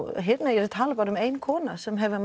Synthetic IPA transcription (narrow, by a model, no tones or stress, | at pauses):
ɦet̪najɛɾt̪ʰaːlapaːɾɔmejnkʰɔːnasɛmɦɛvɪm